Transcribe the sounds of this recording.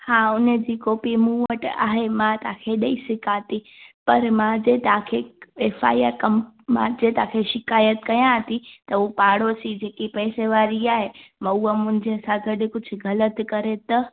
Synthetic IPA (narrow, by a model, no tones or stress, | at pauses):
hãːʊnəd͡ʑiːkoːpimũːʋəʈa̰ːɦemãt̪ãkʰeɗɐisɪkaːt̪i | pɐɾmãd͡ʑeːt̪ɐãkʰeeːfʰa̰ːiaɾkɐmmã̰d͡ʑet̪ãːkʰeʃɪkaːjət̪kɐjãt̪it̪ɐupaːɽosid͡ʑeːkipɛːseʋaːɾiaːɦemãuːəmʊ̃ɦɪ̃ɲd͡ʑeɐsãɡɐɗɪ̆kʊd͡ʑʱʊ̆ɡɐlət̪kɐɾet̪ɐ